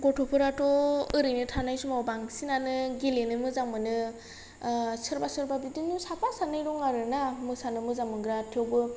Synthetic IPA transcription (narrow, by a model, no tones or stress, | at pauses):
ɡɔtʰɔpʰɯɾatɔɯɾɯjnɯtʰanajsumawbaŋsinanɯɡilenɯmɯzaŋmɯnɯ | sɯɾbasɯɾbabidinusakʰasanajɾɔŋaɾɯnamɯsanɯmɯzaŋmɯŋɡɾatʰiɔwbɯ